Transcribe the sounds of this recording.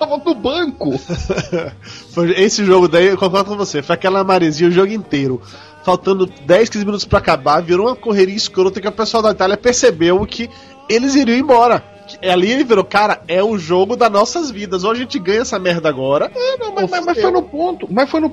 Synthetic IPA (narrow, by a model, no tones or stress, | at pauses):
t̪avɐ̃pʊbɐ̃kʊ | fojesɪʒoɡʊd̪aikõkɔɾd̪ʊkõvosefojakɛlɐːmaɾeziɐʊʒoɡʊĩnt̪ejɾʊ | fawt̪ɐ̃nd̪ʊd̪ɛjskĩzɪminut̪ʊ̥spɾɐakabaviɾõũmɐkoɦeɾiiskɾot̪ɐkɪʊpesuawd̪ɐit̪aliɐpeɾsebewkʰɪ | elɪziɾiɐ̃w̃ẽbɔɾɐ | kɪalielɪviɾokaɾɐɛʊʒoɡʊd̪ɐnɔsɐzvid̪ɐzowaʒẽnt͡ʃɪɡɐ̃ɲ̃ɐɛsɐmɛɾd̪ɐaɡɔɾɐɐnɐ̃w̃mɐmɐzmɐsfojnʊpõt̪ʊmɐsfojnʊ